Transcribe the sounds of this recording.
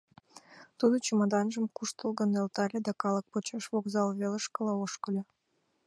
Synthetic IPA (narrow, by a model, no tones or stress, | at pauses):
t̪ud̪ot͡ɕomɑd̪ɑnʒəmkuʃt̪əlɣə̆nelt̪ɑlʲed̪ɑkɑlək̚pot͡ɕɑʃβoɡzɑlβelə̆ʃkə̆lɑoʃkə̆lʲɤ